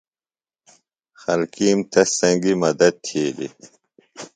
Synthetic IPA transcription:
xɐlkiːmt̪ɐsɐŋɡimɐd̪ɐd̪̚t̪ʰiːlḭ

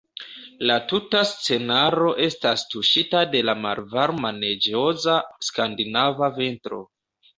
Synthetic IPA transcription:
latutast͡se̞naɾo̞ʔe̞stastuʃitade̞lama̰lvaɾmane̞d͡ʒo̞zaskandinavave̞ntɾo̞̰

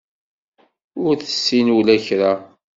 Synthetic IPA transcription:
ʊɾθə̥sːinulæçɾa

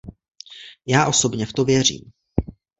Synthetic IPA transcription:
jaːʔo̞so̞bɲɛft̪o̞vjɛr̝ḭːm

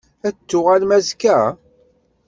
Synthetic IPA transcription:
æt͡sːʊʁælmæzkæ

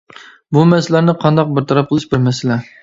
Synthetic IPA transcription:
bumɛsɪlæɾnɪqʰɑnd̪ɑq̚bɪɾt̪ʰɑɾɑp̚qəlˠɨʃbɪɾmɛsɪlɛ

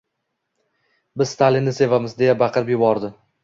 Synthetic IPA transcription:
bɪz̥st̪ʰalinːɪse̞vamɪzd̪e̞jabɑqʰɨɾɪpjʊbɒɾd̪ɪ

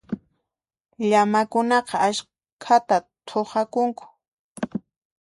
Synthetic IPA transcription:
ʎamakʊnɑqɑaʃ | kʰat̪at̪ʰoχakʊŋkʊ̥

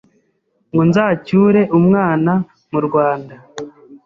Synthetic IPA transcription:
ŋɡonzaːcuːɾe̞ʔumŋaːna | muɾɡwaːnda

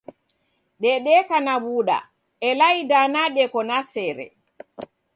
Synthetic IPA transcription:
ɗɛɗɛːkanawuːɗa̰ | ɛlajidanaɗɛkɔnasɛɾɛ̰

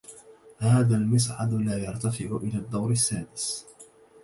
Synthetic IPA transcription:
haːðaːlmɪs̬ʕa̰d̪laːjɑɾˤt̪afɪʕʊʔɪlaːd̪ːawɾɪsːaːdɪs

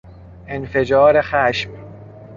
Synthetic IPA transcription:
ʔenfe̞d͡ʒɒːɾe̞xæʃm

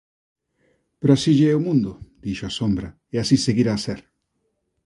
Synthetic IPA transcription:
peɾoasiʝeɛumũnd̪ʊd̪̥iʃoasombɾa | easiseɣiɾaːseɾ

